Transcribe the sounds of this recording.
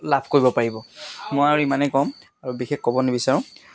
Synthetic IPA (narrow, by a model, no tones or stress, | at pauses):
labʰʱkoɹibɔpaɹibɔmɔjaɹuimanɛkɔ̃m | aɹubixɛkkɔbɔnebisaɹɔ̃